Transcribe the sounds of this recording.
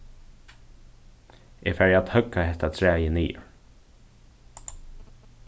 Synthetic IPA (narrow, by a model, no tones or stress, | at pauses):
ʔefæːɹaːt̪hœkːahɛht̪at̪ʰɹæːjəniːʊ̰ɹ